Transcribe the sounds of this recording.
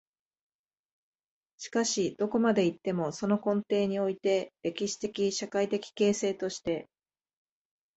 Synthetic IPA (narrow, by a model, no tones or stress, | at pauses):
ɕi̥kaɕid̪̥o̞ko̞mad̪e̞it̪ːe̞mo̞so̞no̞kõ̞nt̪e̞ːɲ̟io̞it̪e̞ɾe̞kʲiɕi̥t̪e̞kʲiɕakait̪e̞kʲi̥ke̞ːse̞ːt̪o̞ɕi̥t̪e̞